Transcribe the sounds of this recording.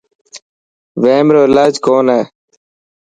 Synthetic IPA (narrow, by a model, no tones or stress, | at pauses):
ʋeːmɾoːlaːd͡ʒkoːneː